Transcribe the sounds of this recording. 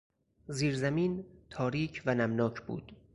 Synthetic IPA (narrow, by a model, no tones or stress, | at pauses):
ziːɾzæmiːnt̪ʰɒːɾiːcʰvænæmnɒːcʰbṵːd̪̥